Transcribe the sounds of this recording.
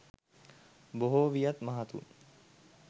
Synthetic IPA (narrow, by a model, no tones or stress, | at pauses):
boɦoʋijat̪maɦat̪ṵ